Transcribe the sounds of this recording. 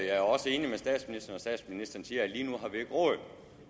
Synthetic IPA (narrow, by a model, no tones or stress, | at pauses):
jɑ̈ɪæɐɒ̽səe̝ːnimesd̥ɛ̰ːd̥sminisd̥ɐnɒ̽sd̥ɛ̰ːd̥sminisd̥ɐn̩siːɐæliːnuɦɑ̈ʋe̥ʁɔ̰ð